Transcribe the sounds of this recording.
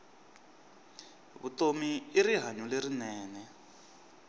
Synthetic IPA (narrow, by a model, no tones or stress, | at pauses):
βutomiːɾiɦaɲuleɾinɛːnɛ